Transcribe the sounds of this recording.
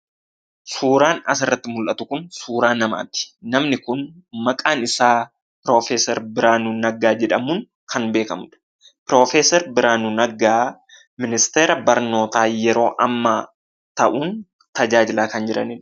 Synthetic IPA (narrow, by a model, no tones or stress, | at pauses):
suːɾaːnɐs̬ɪrːɐt̪ːɪmʊlʔɐt̪ʊkʊnsuːɾaːnːɐma̰ːt̪ɪ̥nɐmnɪkʊnmɐkʼaːnɪsaː | pɪɾo̞ːfeːsɛɾbɪɾaːnunɐɡaːd͡ʒɛᶑɐmʊn | kʰɐnbeːkɐmʊᶑɐ̥ | pɾoːfeːsɛɾbɪɾaːnunɐɡaː | mɪnɪst̪eːɾɐbɐɾno̞ːt̪aːjɛɾo̞ːʔɐmːaː | t̪ɐʔuːn | t̪ɐd͡ʒaːd͡ʒɪlaːkɐnd͡ʒɪɾɐ̰niːn